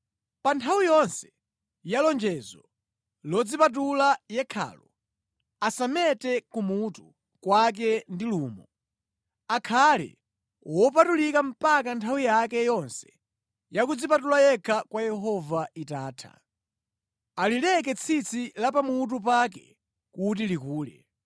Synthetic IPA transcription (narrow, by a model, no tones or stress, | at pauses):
pantʰawijɔnsɛ̥ | jalɔnd͡ʒɛzɔ | lɔd͡zipat̬ulajɛkʰa̰ːlɔ | asamɛtɛkumutu | kwak̬ɛndiluːmɔ | akʰalɛ̰ | wɔp̬atulikam̩pakantʰawijakɛjɔnsɛ̥ | jakud͡zipatulajɛkʰakwajɛɦɔvaitaːtʰa̰ | alilɛk̬ɛt͡sʰit͡sʰilapamut̬up̬ak̬ɛ̰ | kutilikuːlɛ̰